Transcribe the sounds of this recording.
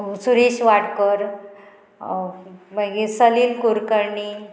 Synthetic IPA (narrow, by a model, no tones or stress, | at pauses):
suɾiɕʋaʈkəɾ | maɡĩsəliːlkuɾkəɾɳi